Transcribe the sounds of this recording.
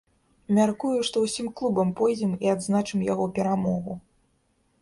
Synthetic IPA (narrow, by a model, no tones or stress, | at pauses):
mʲarkujuʂt̪ɔwsʲimklˠubɐmpɔjd͡zʲɛmiad̪znat͡ʂɨmjaɣɔpʲɛɾamɔɣu